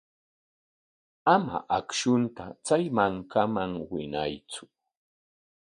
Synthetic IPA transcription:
ama̰ʔakʃʊnt̪at͡sajmaŋkʰamaŋwɪnajt͡sʊ̥

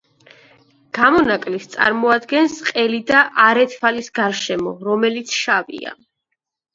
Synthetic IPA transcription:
ɡ̥amɔnakʼlist̪sʼa̰ɾmɔad̪ɡɛnsqʼɛlid̪aʔaɾɛt̪ʰpʰalisɡaɾʃɛmɔɾɔmɛlit̪sʰʃavḭa̰

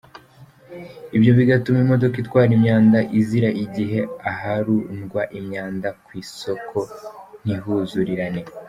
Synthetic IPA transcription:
ibjo̞βiɡatumimo̞do̞kitkwaːɾimɲaːndaʔiziɾaʔiɟiɦe̞ahaɾunɡwaʔimɲaːndakwiːso̞kʰo̞n̥ihuːzuɾiɾane̞

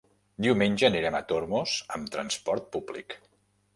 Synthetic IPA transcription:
d̪iwmenʲʒəneɾemət̪oɾmozəmt̪ɾənspɔɾt̪̚publḭk

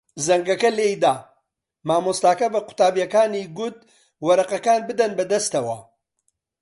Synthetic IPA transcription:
zɐŋɡɐkɐleːjd̪aː | maːmost̪aːkɐbɐqʊ̥t̪aːbijɐkaːniːɡʊt̪̚ | wɐɾɐqɐkaːnbɨd̪ɐnbɐd̪ɐst̪ɐwɐ̰

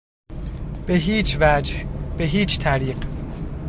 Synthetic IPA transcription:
b̥eɦiːt͡ʃvæd͡ʒhbeɦiːt͡ʃʰt̪ʰæɾiːq

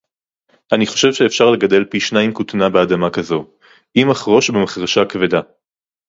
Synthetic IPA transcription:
ʔaniχoʃe̞vʃeːfʃaʁle̞ɡade̞lpiʃnaimkut̪nabead̪amakazo̞ | ʔimaχʁo̞ʃbemaχʁaʃakveda

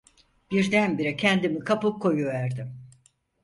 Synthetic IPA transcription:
b̥iɾd̪ænbiɾɛcʰɛnd̪imikʰapɯp̚kʰo̞juvæɾd̪ɪm

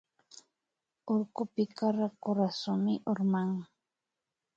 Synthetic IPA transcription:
oɾkʊpɪkaɾakoɾasʊmɪʔoɾmaŋ

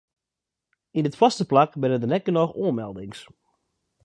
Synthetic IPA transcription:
indɪtfɔstəplakbɪnəndənɛt̚ɡ̥ənɔxuənmɛlˠdɪŋs

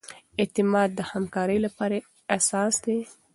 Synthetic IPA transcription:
et̪ɪmɑd̪̚ːəhamkɑɾəjlapɑɾa | asɑsd̪e

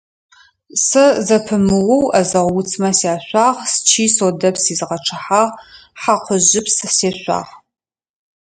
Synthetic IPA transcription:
sɨzɐpʰɨmɨʁʷʊwɐzɐʁʷwʊt͡sʰmɐsiaːɕʷaːʁst͡ʃʰiːsoːdɐpsiːzʁɐʈ͡ʂʰɨħaːʁħaqʷʰʊʑɪpsseːɕʷa̰ːʁ

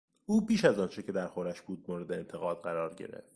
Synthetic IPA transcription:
uːbiːʃæzɒːnt͡ʃʰecʰe̞d̪æɾxoɾæʃbuːd̪̚moːɾe̞d̪eːnt̪ʰe̞ɣɒːd̪ɢæɾɒːɾɟḛɾe̞̰ft̪

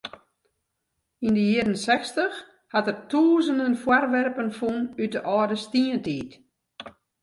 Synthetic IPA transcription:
indəjiəɾənsɛxstəx | hatərtʰuːzəndənfwarʋɛrpənfunyt̚dəʔɔːdəstiəntiːt

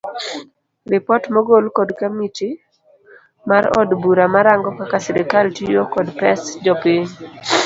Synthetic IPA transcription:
rɪpɔtmɔɡolkɔdkamiti | maɾɔ̰dbuɾamaɾaŋɡɔkakasɛɾɛkaltijokɔdpɛsd͡ʒɔpiɲ

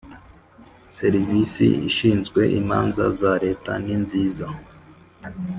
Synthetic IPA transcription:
seɾvisḭḭʃiːnzɡwe̞ʔḭma̰ːnza̰zaɾe̞ːta̰ninziːza

